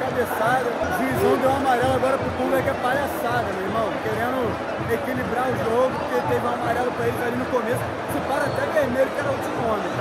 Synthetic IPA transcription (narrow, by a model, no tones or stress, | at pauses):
kabesad̪ɐvizõd̪ɛ̃ũamaɾɛlɐaɡɔɾɐpʊɾt̪ud̪ʊɛkɛpaʎasaɡ̪ɐmeemɐ̃w̃keɾẽnʊ | ekilibɾaʒd̪oɡʊpʊkeɪt̪evũamaɾɛlɐpɾɐet̪alinʊkomesʊ̥ | sɪpaɾɐat̪ɛveɾmelʊkɛɾɐut̪ɾikõd̪ɐ̃